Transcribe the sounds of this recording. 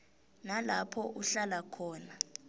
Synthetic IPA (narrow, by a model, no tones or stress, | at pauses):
nalapʰɔʔuɬalakʰɔːna